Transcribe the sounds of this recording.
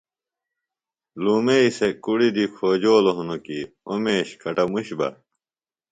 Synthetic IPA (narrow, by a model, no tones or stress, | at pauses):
luːmeisekuɽid̪ikʰoːd͡ʑoːloɦunoki | omeːɕkʰɐʈɐmuɕbɐ̰